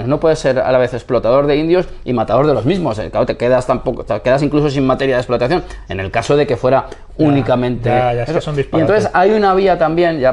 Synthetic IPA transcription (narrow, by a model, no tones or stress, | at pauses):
ezno̞pwe̞ðese̞ɾa̰laβe̞θe̞splo̞t̪aðo̞ɾðe̞ind̪jo̞simat̪aðo̞ɾðe̞lo̞zmizmo̞sḛkaot̪e̞keðast̪ampok̪ke̞ðas̬iŋkluso̞simat̪e̞ɾjaðe̞splo̞t̪aθjo̞ne̞ne̞lkaso̞ðe̞ke̞fwe̞ɾa | unikamẽnt̪eaessond̪ispient̪onθesajunaβ̞iat̪ambje̞nʝa